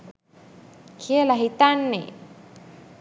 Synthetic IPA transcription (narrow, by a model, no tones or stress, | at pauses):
kʰijəlaɦit̪anːḛ